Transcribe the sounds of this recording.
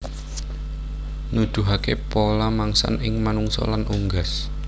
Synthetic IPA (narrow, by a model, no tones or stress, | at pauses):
nud̪̥ṳɦakepolamaŋsa̰nɪŋmanuŋsɔ̰lanʔuŋɡas